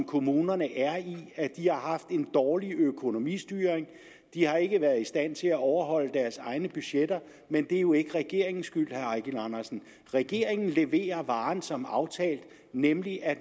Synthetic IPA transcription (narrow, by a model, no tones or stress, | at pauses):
mkʰo̝muːnɐnəʔæɐiæd̥ihɑ̈ɦɑ̈fd̥e̝nd̥ɒːliøkʰo̝no̝mḭsd̥yːʁeŋ | d̥ihɑ̈e̝ɡ̥əʋæɐð̩ˠisd̥æn̰t͡sʰe̝læɒʊɐɦɒ̽l̰əd̥æɐsɑ̈ɪnəb̥yɕed̥ɐ | mend̥e̝æɐjo̝e̝ɡ̥əʁɛɡ̥e̝ɐ̰e̝ŋn̩sɡ̥yl̰hæɐɑɡ̥ilɑnɐsn̩ | ʁɛɡ̥e̝ɐ̰e̝ŋn̩le̝ʋe̝̰ːɐʋɑ̈ːnsɒ̽mɑ̈ʊt͡sʰɛ̰ːld̥ | nemliʔæ